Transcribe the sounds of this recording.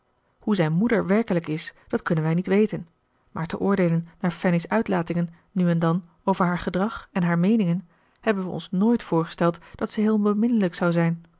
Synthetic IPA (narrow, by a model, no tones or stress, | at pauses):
huzɛjnmudəɹʋɛɹkələkɪsd̥ɑtkɵnənʋɛjnitʋejtən | maːɹtəʔʊːɹdejlənːaːɹfɛnɪsœɥtlaːtɪŋənːyɛndɑn | owvəɹɦaːɹχədʁɑχɛnɦaːɹmejnɪŋən | hɛbənʋəɔ̰nsnoːjtfʊːɹχə̥stɛlˠtd̥ɑtsəɦɪːlˠbəmɪnələksɑwzɛjn